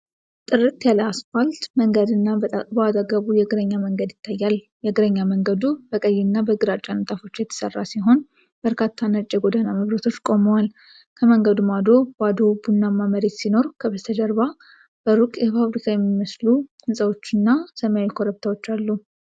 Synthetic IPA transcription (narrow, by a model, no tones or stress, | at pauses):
t̪ʼɨrɨt̪jaləasfalt̪məŋɡəd̪ɨnːabad̪aɡəβujɛɡɨɾəɲːaməŋɡəd̪jɪt̪ʰːajːal | jɛɡɨɾəɲːaməŋɡəd̪ubəkʼəjːɪnːabəɡɨɾat͡ʃʼːant̪ʼafo̞t͡ʃːjɛt̪ʰə̥sərːasiɦo̞n | b̥əɾkʰat̪ʰːanət͡ʃʼɛɡo̞d̪anaməβɾət̪ʰo̞t͡ʃːkʼo̞məwal | kʰəməŋɡəd̪umad̪o̞bad̪o̞bunːamːaməɾe̞t̪sino̞ɾkʰəbət̪ʰəd͡ʒəɾβa | b̥əɾukʼjɛpaβɾikʰajɛmːiməslukʰɨnsʼəwo̞t͡ʃːɨnːasəmaikʰoɾəp̚t̪ʰawo̞t͡ʃːalːu